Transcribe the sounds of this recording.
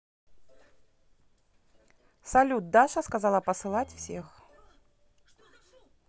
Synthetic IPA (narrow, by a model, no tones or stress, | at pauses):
salʲud̪̚d̪aʂɐskazalˠɐpɐsɨlˠat͡sʲwsʲɛx